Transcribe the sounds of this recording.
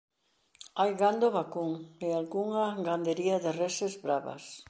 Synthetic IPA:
ajɣand̪oβakuŋealɣuŋɐɡand̪eɾiɐðɪresezβɾaβɐ̰s

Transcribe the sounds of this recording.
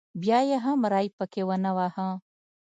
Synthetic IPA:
bjaːjɐɦãːmɐɾaːipɐkewɐnɐwaːhã

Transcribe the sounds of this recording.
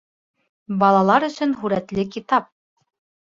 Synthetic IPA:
bɑlˠɑlˠɑɾɵ̆sɵnɦʉɾæt̪lɘkit̪ɑp̚

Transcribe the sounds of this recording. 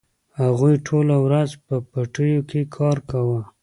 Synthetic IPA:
haɣujʈʰolawɾazpəpaʈəjokekʰɑɾkawə

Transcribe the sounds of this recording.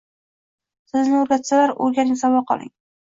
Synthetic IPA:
sɪznɪɵɾɡʲat̪salaɾo̰ɾɡʲanɪŋsawɒqʰɒ̰lˠɪ̰ŋ

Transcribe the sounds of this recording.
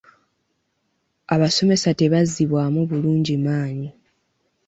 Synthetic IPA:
aβaso̞me̞sate̞βaziβwaːmuβuluːɲɟimaːɲi

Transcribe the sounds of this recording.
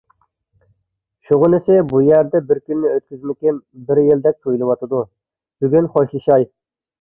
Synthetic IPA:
ʃuʁʊnɪsɪbujæɾd̪ɛbɪɾkʲynːɪøt̪̚kʲyzmɪkʲɪnbɪɾjɪld̪ɛk̚ʲt̪ʰojlˠɨwɑt̪ɨd̪u | b̥yɡʲynχoʃlˠɨʃɑj

